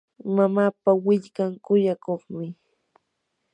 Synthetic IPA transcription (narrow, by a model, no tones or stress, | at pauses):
mamaːpawɪʎkaŋkʊjakoχmɪ